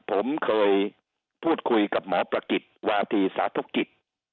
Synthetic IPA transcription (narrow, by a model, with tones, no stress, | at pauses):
pʰo˩˦mkʰɤː˧j | pʰuː˥˩t̪̚kʰu˧jka˨˩p̚mɔː˨˩˦pɾa˧ki˨˩t̪̚waː˧t̪ʰiː˧sa̰ː˩˦˥t̪ʰo˦˥˩kːi˨˩t̪̚